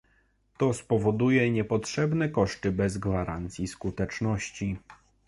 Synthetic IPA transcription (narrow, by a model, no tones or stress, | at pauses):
t̪ɔspɔvɔd̪ujɛɲɛpɔtʂɛbnɛkɔʂt̪ɘbɛzɡvaɾant̪sʲjiskut̪ɛt͡ʂnɔɕt͡ɕi